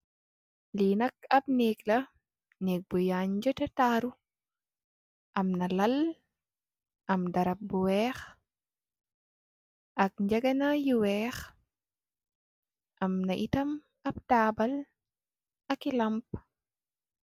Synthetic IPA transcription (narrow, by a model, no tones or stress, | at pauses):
linɐk̚ɐb̚neːklɐ | nɛk̚bujaɲd͡ʒɐtɐtaːɾu | ʔɐmnɐlɐl | ʔɐmdɐɾɐp̚buwɛːx | ʔɐk̚ɲd͡ʒɐɡɐnɐjiwɛːx | ʔɐmnɐʔitɐm | ɐb̚taːbɐl | ɐkilɐmp̚